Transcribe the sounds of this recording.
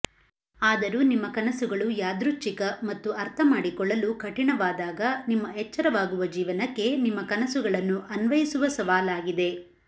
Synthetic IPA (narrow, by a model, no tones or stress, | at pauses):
aːd̪ɐɾuːnimːɐkɐnɐsuɡɐɭujaːd̪ɾut͡ʃːikɐmɐt̪ːuʔɐɾt̪ʰɐmaːɽikɔɭːɐlukɐʈiɳɐʋaːd̪aːɡɐnimːɐɦɛt͡ʃːɐɾɐʋaːɡuʋɐd͡ʒiːʋɐnɐkːe̞nimːɐkɐnɐsuɡɐɭɐnːuʔɐnʋɐjisuʋɐsɐʋaːlaːɡid̪e̞